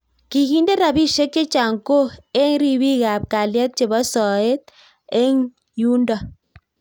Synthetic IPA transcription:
ki˨ɡi˦nde˦ɾa˨βi˦ʃe˦kːe˦t͡ʃa˨ŋko˦e˦ŋɾi˦βi˦ɣa˨p̚ka˨ljɛ˦t̪̚t͡ʃe˨βɔ˦sɔ˨e˦t̪̚ | e˦ŋ | ju˦ndɔ˨

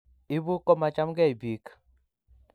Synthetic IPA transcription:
ɪ˦bu˦kɔ˦ma˨t͡ʃa˦mɡɛ˦i˨bi˨k

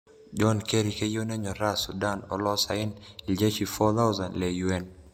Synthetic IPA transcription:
d͡ʒɔ˦nke˦ɾi˨ke˦jo˦nɛ˦ɲɔ˨ɾa˦su˨da˦nɔ̰˨lɔ˦sa˨ɪ˦ni˨ld͡ʒe˦t͡ʃi˨fɔ˦t̪a˦wza˨nlɛ˨juɛn

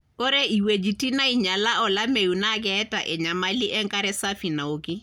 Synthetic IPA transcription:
ko˦ɾe˦i˨we˨d͡ʒi˨ti˦na˦i˨ɲa˨la˦ɔ˨la˦me˨ju˨na˦k̬ɛɛ˦ta˨ʔɛ˨ɲa˨ma˦li˦ʔɛ˦ŋka˦ɾɛ˦sa˦fi˨na˨o˨ki˦

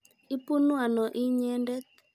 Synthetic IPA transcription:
ɪ˦pu˦nwa˨nɔ˨ʔi˦ɲɛ˦ndɛ˦t̪

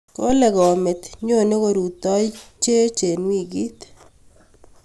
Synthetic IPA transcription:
ko˦le˨kɔ˨me˨t̪ɲo˦˨ne˦ko˨ɾu˨t̪ɔ˦i˦t͡ʃe˦t͡ʃe˨nwi˦˨ɡi˦t̪

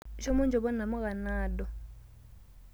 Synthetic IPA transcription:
ʃɔ˦mʊ˦nd͡ʒɔ˨bɔ˦na˨mʊ˦ka˨naː˦˨ɗɔ˨

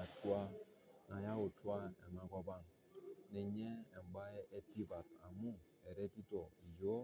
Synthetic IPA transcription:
a˨tu˦a˦ | na˨ja˦o˨tu˦a˦ḛ˨ŋa˨ɡʷa˦ba˦˨ŋ | nɛ˨ɲe˦e˨m˨ɡ͡ba˦e˦ʔe˦ti˦ba˨ta̰˨mu˦ | ɛ˨ɾɛ˦ti˦tɔ˨i˨jo˦

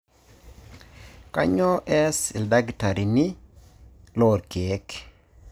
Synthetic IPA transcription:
ka˦ɲɔ˦ʔɛ˦sɪ˨lda˦ɡta˨ɾi˨nɪ˦ | lɔ˦˨ɾke˨˦k

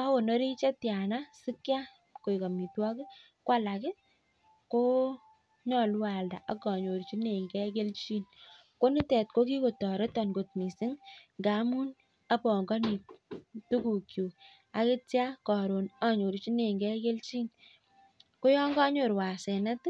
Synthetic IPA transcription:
a˦wo˨no˦ɾi˦t͡ʃe˦tja˨na˦si˦kja˦ | ko˨i˨kɔ˨mi˨twɔ˦kɪ˦ | kwa˦la˨kɪ˦ | ko˦ | ɲɔ˨lu˦a˨lda̰˨ʔa˦kɔ˨ɲo˨ɾt͡ʃi˦ne˨ŋɡɛ˦ke˦lt͡ʃi˦n | ko˦ni˦tɛ˨t̚ko˦ki˦ko˨tɔ˨ɾe˦tɔ˨nɡo˨t̚mi˨sɪ˦ŋŋɡa˨˦mu˦n | a˦pɔ˨ŋɡɔ˦ni˨tu˦ku˨kju˨ | a˦ke˦tja˦kɔ˨ɾo˨na˦ɲo˨ɾt͡ʃi˦ne˨ŋɡɛ˦ke˦lt͡ʃiː˦n | ko˦jɔ˦ŋɡa˦ɲo˨ɾwa˨sɛ˨nɛ˦t

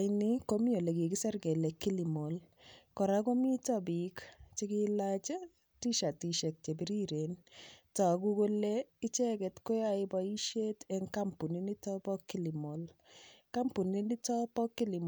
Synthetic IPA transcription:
ɪniko˦mi˦o˨le˨ki˨ki˦sɛ˦rke˨le˨kːi˦li˨mo˨l | kɔ˨ɾa˦ko˦mi˦tɔbi˨kt͡ʃi˦kilat͡ʃa˦ | ti˦ʃa˨ti˨ʃe˨k̚t͡ʃe˨bi˦ɾi˦ɾentɔ˨kuko˦lei˦t͡ʃɛ˦kɛ˨tko˦jaɪbɔi˦ʃeteŋka˦mpu˨ni˦ni˦tɔ˦pɔ˦kːi˦li˨mo˨lka˦mpu˨ni˦ni˦tɔ˦pɔ˦kːi˦li˨m

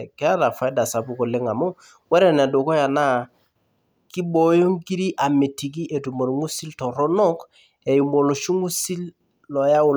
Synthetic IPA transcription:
kɛ˦a˦ɾa˨fa˦jda˨sa˨pu˨˦ko˨le˦ŋa˨mo˦ | wɛ˦ɾɛ˦˨nɛ˨do˨kɔ˦ja˨na˦˨ | ki˦bo˨˦jo˦ŋki˦ɾi˦ʔa˨me˨ti˨k̬i˦ʔe˨tu˨mo˨ɾŋu˦si˦ltɔ˨ɾɔ˦nɔ˦k | e˨ju˨mo˨lo˨ʃu˦ŋu˦si˦l | lɔ˨ja˦ʊ˨

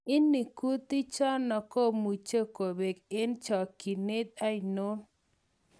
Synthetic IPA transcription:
ɪ˦nːɪ˨ku˦t̪ɪ˦t͡ʃɔ˦nɔ˨ko˦mu˨t͡ʃo˦ko˨be˨kɪ˦nt͡ʃɔ˨ki˨nɪ˦t̪̚a˦i˨no˦n

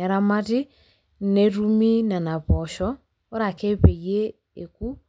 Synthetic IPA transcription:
ɛ˨ɾa˦ma˦ti˦ | ne˨ɾu˦mi˦na˨na˨βɔ˨ʃɔː˦ | ɾa˨ke˦pe˨je˦ | e˨ku˦

